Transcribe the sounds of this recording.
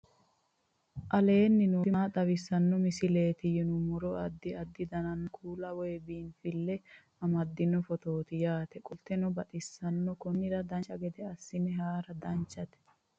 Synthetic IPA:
ʔɐle̞ːnːɪnoɪat̪ɐwɪsːɐnːɔmɪsɪle̞ːt̪ɪjɪnʊmɔɾɔɐd̪ːɪɐd̪ːɪd̪ɐnɐnkʰuːlɐwɔjɛbiːnfɪlːɛ | ɐmɐd̪ːɪnːɔfɔt̪oːt̪ɪjaːt̪ɛkʼʊlt̪ːɛnɔbɐt̪ʼɪsːɐnːɔkɔnːɪɾɐd̪ɐnt͡ʃːɐɡɛd̪ɛɐsːɪnɛɦaːɾɐd̪ɐnt͡ʃːɐt̪ɛ̥

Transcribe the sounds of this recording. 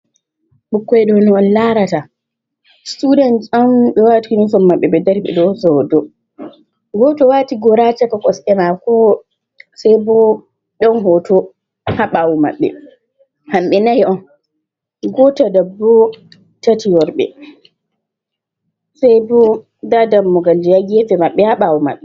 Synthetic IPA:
ɓukːɔɛɗɔnɔɔnlaɾata | studanamɓɛwatinunsɔmːaɓːɛɓɛdɛɾɓɛ̰ɗɔsɔdɔ | ɡɔtɔwatiɡɔɾat͡ʃakakɔsʔɛmakɔ | sajbɔ | ɗɔnɦɔtɔ | haɓawɔma̰ɓːɛ̰ | hamɓɛnahɛʔɔn | ɡɔtadabːɔ | tatiwɔɾɓɛ̰ | sajbɔ | dadamːɔɡald͡ʒijaɡɛfɛmaɓːɛhaɓawuma̰ɓːɛ

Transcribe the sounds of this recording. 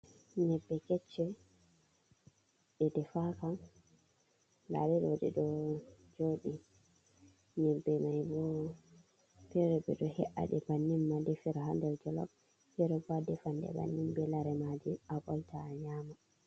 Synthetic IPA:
ɲɛbːɛkɛt͡ʃːɛ | ɓɛdɛfakan | ɡa̰ɗɛɗodɛ̰ɗɔd͡ʒoːɗi | ɲɛbːɛmajbɔ | pɛɾɛbɛ̰ɗɔhɛʔa̰ɗɛbanːimːadɛfiɾaɦandɛld͡ʒɔlɔ̰b | pɛɾɔɡadɛfandɛ̰ba̰nːimbɛlaɾɛmadiabɔltʰaːɲaːma

